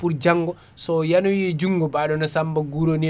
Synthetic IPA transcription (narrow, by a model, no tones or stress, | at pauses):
puɾd͡ʒaŋɡɔ | sɔjanɔjɛd͡ʒuŋɡɔbaɗɔnasambaɡuɾoni